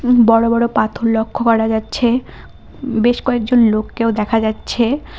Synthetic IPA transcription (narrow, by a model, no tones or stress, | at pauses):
bɔɽobɔɽopat̪ʰoɾlokʰːokɔɾad͡ʑatːɕʰe | beʃkɔek̚d͡ʑonlokːeod̪ɛkʰad͡ʑatːɕʰe